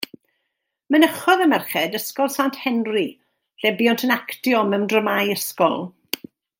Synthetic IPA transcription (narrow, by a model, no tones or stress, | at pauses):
mənəχɔðəmɛrχɛdəskɔlˠsanthɛnri | ɬɛbjɔntʰənaktjɔmɛwndrəmajəskɔlˠ